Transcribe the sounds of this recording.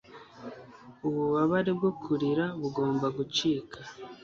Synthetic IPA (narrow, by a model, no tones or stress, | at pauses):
uβuβaβaɾibɡokʰuɾiɾaβuɡo̞ːmbaɡut͡ʃiːkʰa